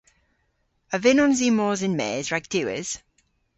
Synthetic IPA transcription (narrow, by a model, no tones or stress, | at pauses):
əvɪnɔnziːmɔːzɪnmɛ̰ːzɹaɪɡ̚d̥ɪwɪ̰z̥